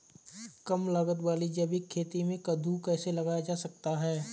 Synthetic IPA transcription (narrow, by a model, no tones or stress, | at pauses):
kɐmlɐɡət̪ʋaːlid͡ʒɐbikʰːeːt̪imẽkɐd̪ʱukɛːselɐɡaːjad͡ʒaːsɐk̚t̪aɦɛː